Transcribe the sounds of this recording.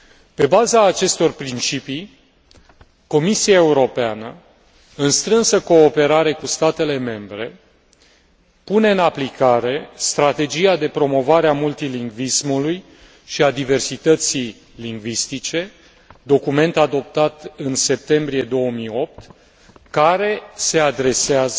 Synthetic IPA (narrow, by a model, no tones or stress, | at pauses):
pe̞bazaːt͡ʃe̞st̪o̞rpɾint͡ʃipi | ko̞misiae̞uɾo̞peanə | ɨnst̪ɾɨnsəko̞ːpe̞ɾaɾe̞kust̪at̪e̞le̞me̞mbɾe̞ | pune̞ɨnaplikaɾe̞st̪ɾat̪e̞d͡ʒijad̪e̞pɾo̞mo̞vaɾeamult̪iliŋɡvismuluj | ʃiad̪ive̞rsit̪ət̪sij | liŋɡvist̪it͡ʃe̞ | d̪o̞kume̞nt̪ad̪o̞p̚t̪at̪ɨnse̞p̚t̪e̞mbɾije̞d̪o̞wəmijo̞p̚t̪ | kaɾe̞se̞ad̪ɾe̞seazə